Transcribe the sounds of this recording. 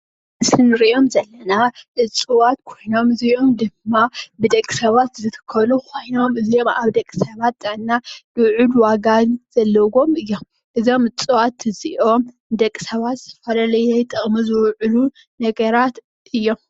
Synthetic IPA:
nɨsɨnɨɾiʔo̞mzɐlːɐnaʔɨt͡sʼɨwat̪kʰo̞jno̞mɨzio̞md̪ɨmːabɨd̪ɐkʼːisɐβat̪zɨt̪ʰɨ̥kʰːɐluxo̞jno̞mɨzio̞ma̰βd̪ɐkʼːisɐβat̪d̪ʼanːalɨwʕulwaɡaz̥ɐlːɐɡo̞mɨjːo̞m | ʔɨzo̞mɨt͡sʼwat̪ɨziʔo̞m | d̪ɐkʼːi̥sɐβat̪zɨ̥t̪ʰɐfɐlalɐjɛjt̪ʼɨχʼmuzɨwʕʊlu | nɐɡɐɾat̪ | ʔɨjːo̞m

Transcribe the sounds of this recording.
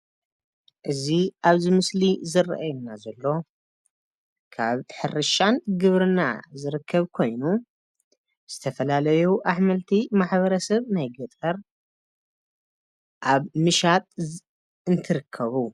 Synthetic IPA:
ʔɨziʔaβzimɨslizɨr̰ʔajunːazɐlːo̞ | kʰa̰βħɨɾɨʃanɡɨβɾɨna̰zɨɾɨkʰːɐβkʰo̞jnu | z̥ɨt̪ʰɐfɐlalɐjuʔaħmɐlt̪ʰimaħβɐɾɐsɐβnajɡɨt̪ʼɐɾ | ʔaβmɨʃat̪ʼ | ɨnt̪ʰɨɾɨkʰːɐβu

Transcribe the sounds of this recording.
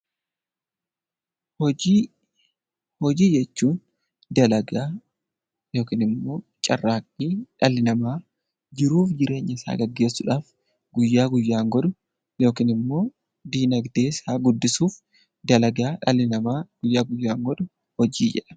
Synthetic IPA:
hɔi | hɔd͡ʒiːd͡ʒɛt͡ʃːuːn | d̪ɐlɐɡaː | jo̞ːkiːnɪmːo̞ːt͡ʃʼɐrːaːkʼːiːᶑɐlɪnɐmaː | d͡ʒɪɾuːfd͡ʒɪɾe̞ːɲːɐɪsa̰ːɡɐɡːe̞ːsːʊᶑaːf | ɡʊjːaːɡʊjːaːŋɡɔᶑ̪ʊ | jo̞ːkiːnɪmːo̞ː | d̪iːnɐɡd̪e̞ːsaːɡʊd̪ːɪsuːf | d̪ɐlɐɡaːᶑɐlɪnɐmaːɡʊjːaːɡʊjːaːŋɡɔd̪ʊ | hɔd͡ʒiːd͡ʒɛᶑɐ̥

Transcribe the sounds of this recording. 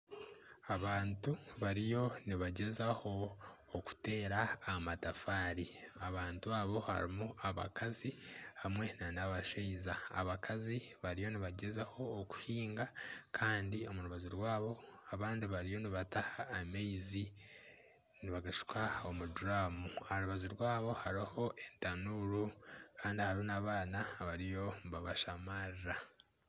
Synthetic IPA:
aβaːntuβaɾijo̞niβaɟe̞zaho̞ː | ku̥te̞ːɾaːmatafaːɾiaβaːntuaβo̞ha̰ɾḭmuaβa̰kazihamŋe̞nanaβaʃeiza̰ːβakʰaziβaɾijo̞niβaɟe̞zaho̞ːku̥hiːŋɡakʰaːndio̞muɾuβazuɾwaːβo̞aβaːndiβaɾijo̞niβatahaːmeizi | niβaɡaʃu̥kʰao̞muduɾamuaɾuβazuɾwaːβo̞haɾiho̞ʔe̞ntanuɾukʰaːndihaɾihonaːβaːnaβaɾijo̞βaβaʃamaɾɾa

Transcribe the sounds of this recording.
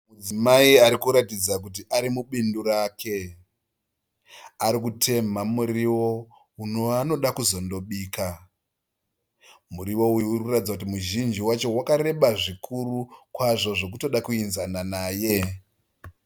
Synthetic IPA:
mud͡zimaiaɾikuɾatid͡zak̬ut̬iʔaɾimuɓinduɾaːkʰe̞ | aɾikutʰe̞mamuriwo̞ | unoano̞ɗakuzo̞ndo̞ɓiːka | muɾiwo̞ujiurkuratid͡zakut̬imuʒind͡ʒiwat͡ʃo̞wakaɾe̞ɓaʐikʰuɾukwaʐo̞ʐo̞k̬uto̞ɗakuinzananaːje̞

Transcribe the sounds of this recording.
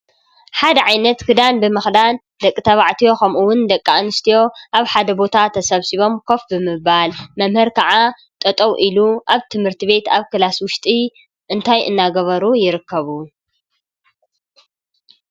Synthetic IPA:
ħad̪ɐʕajnɐt̪kʰɨd̪anbɨmɨxd̪an | d̪ɐkʼːit̪ʰɐβaʕt̪ʰijo̞xʰɐmʔuwʊnd̪ɐkʼːanɨst̪ʰijo̞ʔaβħad̪ɐbo̞t̪ʰat̪ʰɐsɐβsiβo̞mkʰo̞fbɨmɨbalmɐmhɨɾkʰɐʕa | t̪ʼɐt̪ʼɐwʔiluʔaβt̪ʰɨmhɨɾt̪ʰiβe̞t̪aβkɨlaswʊʃt̪ʼi | ʔɨnt̪ʰajʔɨ̰nːaɡɐβɐɾujɪɾɨkʰːɐβu

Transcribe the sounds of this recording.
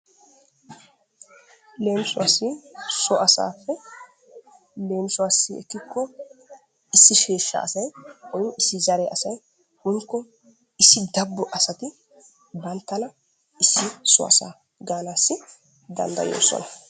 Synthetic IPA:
le̞ːmsʊasɪsɔʔɐsa̰ːfːɛ | le̞ːmsʊwaːsːɪɛ̰kːɪkːɔ | ɪsːɪʃeːʃːɐ̰ɐsɐjɔjɔʔɪsːɪzɐɾɛʔɐsɐj | hʊŋkːɔ | ɪsːɪd̪ɐbːɔʔɐsɐt̪ɪ | bɐnt̪ːɐlɐ | ɪsːɪsɔ̰ɐ̰sa̰ː | ɡaːnaːsːɪ | d̪ɐ̰nd̪ɐ̰jo̰ːsɔ̰nɐ

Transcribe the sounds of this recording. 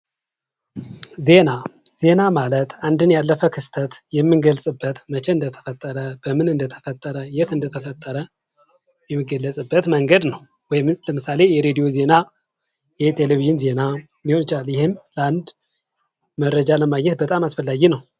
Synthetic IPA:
ze̞naz̥e̞namalət̪and̪ɨnjalːəfəkʰɨst̪ʰət̪jɛmːɨnɡəlsʼɨbːət̪mət͡ʃʰɛɨnd̪ət̪ʰə̥fət̪ʼːəɾəbəmɨnɨnd̪ət̪ʰə̥fət̪ʼːəɾəjɛt̪ɨnd̪ət̪ʰəfət̪ʼːəɾə | jɛmːɨɡːəlːəsʼɨbːət̪məŋɡəd̪nəw | wɔjmləmɨsale̞jɛɾe̞d̪ijo̞ze̞na | jɛt̪ʰe̞leviʒɪnze̞na | miho̞nt͡ʃaljɪhɪmləand̪ | məɾːəd͡ʒaləmaɡɲɛt̪bət̪ʼamasfəlːaɡinəw

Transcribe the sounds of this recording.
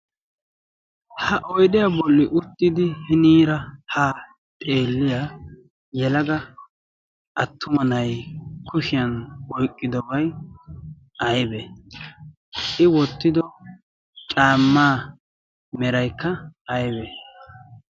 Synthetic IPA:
hɐʔɔjɗ̪ɪjɐbɔlːɪʔʊt̪ːɪd̪ɪhɪniːɾɐhaː | t̪ʼe̞ːlːɪja | jɛlɐɡɐ | ʔɐt̪ʰːʊmɐnɐjkʰʊʃɪjɐnwɔjkʼːɪd̪ɔbɐj | ʔɐjbɛ | ʔɪwɔt̪ːɪd̪ɔ | t͡ʃʼaːmːaː | mɛɾɐjkːɐɐjbɛ

